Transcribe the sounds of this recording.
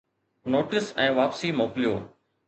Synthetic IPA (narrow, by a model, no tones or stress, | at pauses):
noːʈɪsɛ̃ːʋaːpsiːmoːklijo̰ː